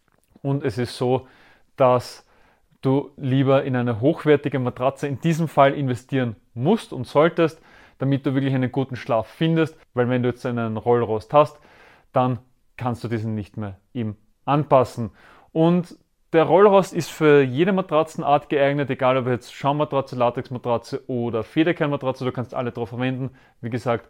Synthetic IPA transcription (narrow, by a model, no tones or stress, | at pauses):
ʊntɛsɪstsoː | d̥as | d̥uːliːbɐɪnæɪnəɦoːxv̥ɛɐtɪɡəmatʁat͡səɪnd̥iːzəmfalʔɪnvɛstʰiːʁən | mʊstʊ̰ntz̥ɔltəst | d̥amɪt̚d̥uːvɪɐklɪçæɪnənɡuːtn̩ʃlaːfːɪndəstvæɪlvɛnduːjɛt͡stæɪnənʁɔlʁɔsthast | d̥an | kʰanstd̥uːdiːzn̩nɪçtmeːɐʔeːbm | ʔanpasn̩ | ʔʊnt | d̥eːɐʁɔlʁɔstɪstfyːɐjeːɾəmatʁ̥at͡sn̩ʔaɐtɡ̥əaɪɡnəteɡaːlɔpjɛt͡stʃaʊmatʁ̥at͡səlatʁɪksmatʁat͡səʔoːdɐfeːɾɐkʰɛɐnmatʁat͡səd̥uːkʰanstʔa̰lədʁaʊfɛɐvɛndn̩ | viːɡəzaːkt